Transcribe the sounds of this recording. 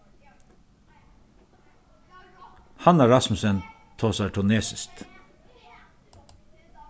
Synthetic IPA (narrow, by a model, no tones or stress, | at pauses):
hɑnæːɹɑsmʉsən | t̪ʰoːsɑʈʰʊneːsɪst̪